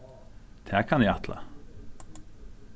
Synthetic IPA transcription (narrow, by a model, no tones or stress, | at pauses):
t̪ʰæːkʰɑniːɑt̪ʰlɑ̰